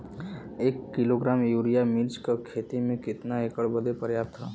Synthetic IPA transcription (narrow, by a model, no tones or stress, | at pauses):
eːkːɪloɡɾaːmjuːɾijamilt͡ʃkakʰeːt̪imẽkɪt̪naeːkəɭbəd̪epəɾjaːp̚t̪ɦaː